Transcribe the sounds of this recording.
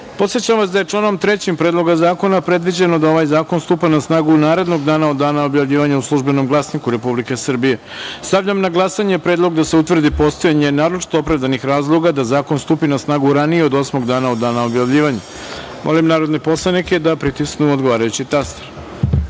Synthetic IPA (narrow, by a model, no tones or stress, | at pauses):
po̞t̪sjet͡ɕamʋasd̪ajet͡ʂlˠaːno̞mt̪ɾet͡ɕimpɾed̪lˠo̞ɡazaːko̞napɾe̞d̪ʋid͡ʑenod̪ao̞ʋajzaːko̞nst̪upanasnaːɡunaːɾe̞d̪no̞ɡd̪aːnaod̪ːaːnaobjavʎiːʋaɲauslˠuʒbe̞no̞mɡlˠasnikuɾe̞publike̞sr̩bije̞ | st̪aʋʎamnaɡlˠasaɲe̞pɾe̞ːd̪lˠo̞ɡd̪ase̞ut̪ʋr̩d̪ipo̞st̪o̞jaɲe̞naːɾot͡ʃi̥t̪o̞opɾaʋd̪anixɾaːzlˠo̞ɡad̪azaːko̞nst̪uːpinasnaːɡuɾanijeo̞d̪o̞smo̞ɡd̪aːnao̞d̪ːaːnaobjaʋʎiːʋaɲa | mʔo̞̰limnaːɾo̞d̪nepo̞slˠanike̞d̪apɾit̪isknuod̪ɡo̞ʋaːɾajut͡ɕit̪ast̪eɾ